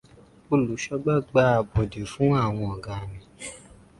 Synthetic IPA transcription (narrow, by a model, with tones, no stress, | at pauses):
o˧˨lu˨˦ʃɔ˦ɡ͡ba˦˨ɡ͡ba˧˦˧bɔ˨de˨fũ˨˦a˦˨w̃ɔ̃˧ɔ˨ɡã˨˧nĩ˧